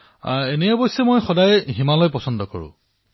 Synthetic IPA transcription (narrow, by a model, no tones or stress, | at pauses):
enɛjɔbɔjsɛmojxɔdajɦimalɔjpɔsɔndɔkɔ̰ɹṵ̃